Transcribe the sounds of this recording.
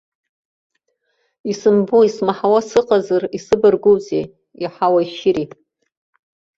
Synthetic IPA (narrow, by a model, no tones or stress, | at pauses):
isɨmbuismaħawasɨqʼazarisɨbɨrɡuwzḛ | iħawaiʃɪɾi